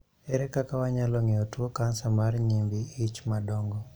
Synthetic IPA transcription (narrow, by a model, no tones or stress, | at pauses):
ɛɾɛkakawaɲalɔŋeɔtwokansamarɲimbiit͡ʃmadɔŋɡɔ